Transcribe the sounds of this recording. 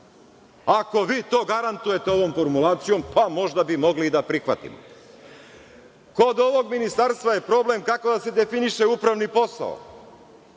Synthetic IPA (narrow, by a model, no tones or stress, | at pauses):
ako̞ʋiːt̪o̞ːɡaɾant̪uje̞t̪eo̞ʋo̞mfo̞ɾmulˠaːt̪sijo̞mpʰamo̞ʒd̪abimo̞ɡlid̪apɾixʋat̪ḭmo̰ | ko̞d̪o̞ʋo̞ɡminist̪aɾst̪vʋaje̞pɾo̞ble̞mkako̞d̪ase̞d̪e̞finiʃe̞upɾaʋnipo̞sa̰o̰